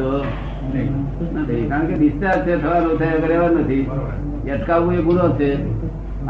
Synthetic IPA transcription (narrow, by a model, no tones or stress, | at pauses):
o | nət̪ʰikaɾəɳkeʋist̪aɾt͡ʃʰet̪ʰəʋanõt̪ʰəjəɡəɾeʋaɾnət̪ʰi | jəʈkaʋʋũeɡʱunot͡ʃʰe